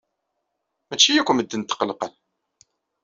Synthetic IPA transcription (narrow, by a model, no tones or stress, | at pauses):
mæt͡ʃːijækʷːəməd̪ːənt̪ːə̥qːəlqəl